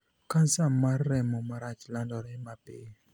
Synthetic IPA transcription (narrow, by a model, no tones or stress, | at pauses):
kansamːarːɛmɔmaɾat͡ʃlandɔɾɛmapɪ̰